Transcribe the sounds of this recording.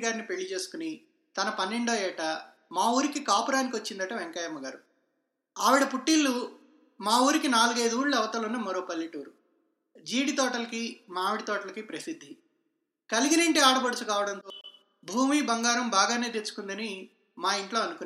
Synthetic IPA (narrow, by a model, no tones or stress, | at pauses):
ɡaːɾnipe̞ɭːit͡ʃe̞ːsu̥kuni | t̪ɐnɐpɐnːe̞ɳɖoːjɛːʈɐ | maːuːɾikikaːpuɾaːnikiʋɐt͡ʃːind̪ɐʈɐʋeŋkaːjɐmːɐɡaːɾu | aːʋiɽɐpuʈːilːu | maːuːɾikinaːluɡɐjd̪uːɽɭːuɛʋɐt̪ɐlunːɐmɐɾo̞ːpɐlːiʈuːɾu | d͡ʒiːɽit̪ɔːʈɐlɐkimaːʋiɽit̪ɔːʈɐlɐkipɾɐsid̪ʱːi | kɐliɡinɐɳʈeːaːɽɐbɐɽut͡ʃukaːʋɐɽɐnt̪oː | bʱuːmiːbɐŋɡaːɾɐmbaːɡaːne̞ːt̪et͡ʃːu̥kund̪ɐni | maːiɳʈlo̞ːɐnukun